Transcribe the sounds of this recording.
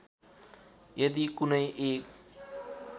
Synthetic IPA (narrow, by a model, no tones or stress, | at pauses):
jʌd̪ikunʌjʔeːk